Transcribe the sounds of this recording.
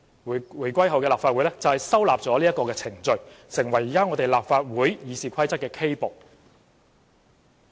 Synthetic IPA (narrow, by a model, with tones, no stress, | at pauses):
wuː˨˩jkʷɐ˥jɦɐ˨wkɛ˧laː˨p̚fa˧t̚wu˨˥lɛː˥t͡sɐ˨whɐ˨jsɐ˥wla̰ː˨p̚t͡sɔː˨˥liː˥ɐ˥t̚kɔː˧kɛː˧t͡sʰɪ˨˩ŋt͡sɵ˨ɥsɪ˨˩ŋwɐ˨˩jiː˨kaː˥ŋɔː˨˧t̪e˨jlaː˨pfaː˧t̚wuː˨˥jjiː˨˧siː˨˩kʷʰɐ˥jt͡sɐ˥t̚kɛː˧kʰe˥jpo˨˩k̚